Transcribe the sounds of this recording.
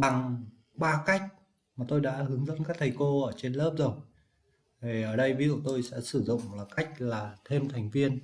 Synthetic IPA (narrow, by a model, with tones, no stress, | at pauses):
ɓa˨˩ŋ | ɓaː˧ka˦˥jk̟̚ | maː˨˩t̪o˧jɗa̰ː˧˥ɦɨ˨˦əŋzə̰˧˥nkaː˦˥k̚t̪ʰa˨˩jko˧ʔəː˧˩t͡ɕe˧nləː˦˥p̚zo˨˩j | t̪ʰe˨˩ʔəː˧˩ɗə˧jvi˧˦zṵ˧˨t̪o˧jsɛ̰˧˥sɨ˧˩zʊ̰˧˨ŋ͡mlaː˨˩ka˦˥jk̟̚laː˨˩t̪ʰe˧mt̪ʰa˨˩jŋ̟vi˧ən